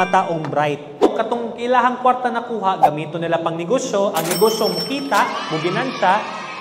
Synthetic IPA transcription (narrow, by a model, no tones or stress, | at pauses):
ɐt̪aːʔoŋbɾajt̪̚kɐt̪oŋkɪlaːɦɐŋkwaɾt̪ɐnɐkuːɦaʔɡɐmiːt̪onːɪlapɐŋnɪɡoʃjo̞ʔɐŋnɪɡoːʃjomʊkiːt̪aʔmʊbɪnansaʔ